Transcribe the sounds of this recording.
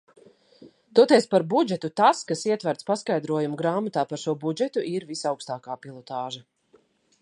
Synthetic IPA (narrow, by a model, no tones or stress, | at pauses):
t̪uɔt̪ɛspaɾbud͡ʒɛt̪ut̪askasiɛt̪vaɾt̪spaskajd̪ɾuɔjumuɡɾaːmat̪aːpaɾʃuɔbud͡ʒɛt̪uʔiɾvisawkst̪aːkaːpilˠɔt̪aːʒɐ